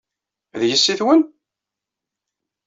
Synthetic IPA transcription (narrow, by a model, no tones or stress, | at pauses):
ðjəsːiθwən